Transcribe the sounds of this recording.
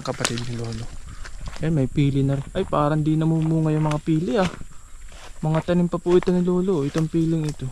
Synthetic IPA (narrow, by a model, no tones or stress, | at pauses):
ŋkɐpɐt̪ɪd̪̚nɪlo̞ːlo̞ʔɛnmɐjpiːlɪnɐɾʔɐjpaːɾɐɪnd̪inɐmumuːŋɐjʊŋmɐŋapiːlɪʔa | mɐŋat̪ɐnɪmpɐpʊʔɪt̪onɪloːloʔɪt̪oŋpiːlɪŋɪt̪o̞